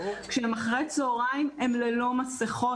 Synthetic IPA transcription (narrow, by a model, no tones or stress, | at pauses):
kʃemaχʁet͡soːʁaimemlelo̞maseχo